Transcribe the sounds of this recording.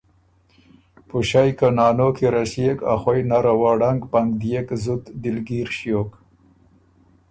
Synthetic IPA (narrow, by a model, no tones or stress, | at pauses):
pʊʃajkanɑːnokeɾasjeka̰xwajnaɾawaɽaŋɡpaŋɡd̪jekzut̪d̪ɪlɡiɾʃjok